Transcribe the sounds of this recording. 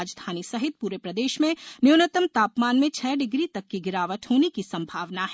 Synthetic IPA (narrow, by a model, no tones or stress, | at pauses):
d͡ʒd̪ʱaːnisɐɦɪt̪̚puːɾepɾɐd̪eːʃmẽnjunət̪əmt̪aːpmaːnmẽt͡ʃʰɛːɖɪɡɾit̪ɐkːiɡɪɾaːʋəʈ̪ɦoːnekisɐ̃mbʱaːʋnaɦɛ